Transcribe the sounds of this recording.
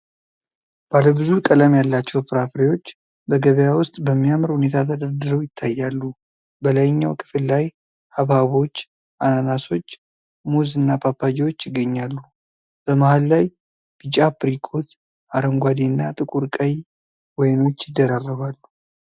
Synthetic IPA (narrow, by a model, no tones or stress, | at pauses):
b̥aləbɨzukʼələmjalːat͡ʃːɛwpʰɨɾafɾewo̞t͡ʃː | bəɡəβəjawʊst̪ʼbəmːijamɾhune̞t̪ʰat̪ʰəd̪əɾd̪ɨɾəwjɪt̪ʰːajːalːu | bəlajɪɲːawkʰɨ̥fɨlːaj | haβhaβo̞t͡ʃː | ʔananaso̞t͡ʃː | muzɨnːapʰapːad͡ʒewot͡ʃːjɪɡːəɲːalːu | b̥əmahalːaj | b̥it͡ʃʼapɨɾikʰʼot̪ | ʔaɾəŋɡʷad̪inːat̪ʼɨkʼuɾkʼəj | wɔjno̞t͡ʃːjɪd̪ːəɾarːəβalːu